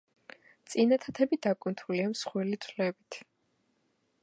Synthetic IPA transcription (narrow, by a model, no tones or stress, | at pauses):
t̪sʼinat̪ʰat̪ʰɛbid̪akʼunt̪ʰuliamsχwɛlit̪sʰlɛbit̪ʰ